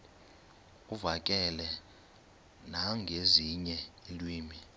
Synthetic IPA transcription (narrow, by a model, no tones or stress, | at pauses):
uvakʼɛlɛ | naŋɡʱeziɲɛelwiːmi